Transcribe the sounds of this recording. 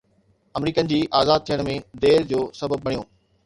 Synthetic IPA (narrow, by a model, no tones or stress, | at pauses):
ɐmɾiːkənɪ̆d͡ʑiːʔaːzaːd̪̚t̪ʰijəɽ̃mẽd̪eːɾd͡ʑoːsɐbəb̚ːɐɽijõ̰ː